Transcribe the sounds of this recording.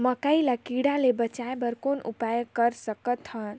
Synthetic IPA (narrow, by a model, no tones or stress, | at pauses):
məkailakiɽalebət͡ʃaebəɾkonṵpajəkəɾsəkət̪ɦən